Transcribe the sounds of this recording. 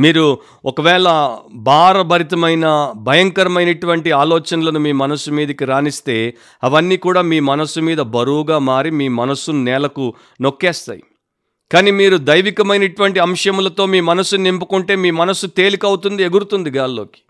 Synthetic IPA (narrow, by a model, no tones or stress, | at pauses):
miːɾu | ɔkɐʋɛːɭɐbʱaːɾɐbʱɐɾit̪ɐmɐjnɐbʱɐjɐŋkɐɾɐmɐjnɐʈuʋɐɳʈiaːlɔːt͡ʃɐnɐlɐnumiːmɐnɐsːumiːd̪ɐkiɾaːnist̪e̞ː | ɐʋɐnːiːkuːɽaːmiːmɐnɐsːumiːd̪ɐbɐɾuːɡaːmaːɾimiːmɐnɐsunnɛːlɐku | no̞kːɛːst̪a̰ːji | kaːniːmiːɾud̪ɐjʋikɐmɐjnɐʈuʋɐɳʈiɐmʂjɐmulɐt̪o̞ːmiːmɐnɐsːunnimpukuɳʈe̞ːmiːmɐnɐsut̪e̞ːlikɐwut̪und̪ieɡuɾut̪und̪iɡaːllo̞̰ːki̥